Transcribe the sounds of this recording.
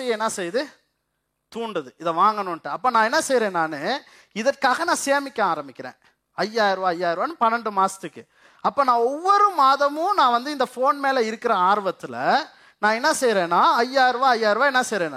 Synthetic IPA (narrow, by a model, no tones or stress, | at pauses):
ɛjɐnːaːsɛjðɯ | t̪uːɳɖɐðɯɪðɐʋaːŋɡɐnʊʈːɯɐpːoːnãːɛnːɐsɛjɾẽːnaːne | ɪðɐʈ̚kaːɣɐnãːseːmɪkːɐ̃aːɾɐmbɪkʲːɪɾḛ̃ː | ɐjːaːɪɾɯʋaːɐjːaːɪɾʋaːnɯpɐnːɐɳɖɯmaːsɐt̪ɯkːɯ | ɐpːoːnãːɔʋːɔɾɯmaːðɐmʊ̃nãːʋɐnd̪ɯɪnd̪ɐfoːnmeːlɐɪɾɯkːɪɾɐaːɾʋɐt̪ːɪlɐ̰ | nãːɛnːɐsɛjɾẽːnãːɐjaːɪɾɯʋaːɐjːaːɪɾʋaːɛnːɐsɛjɾẽːna̰ː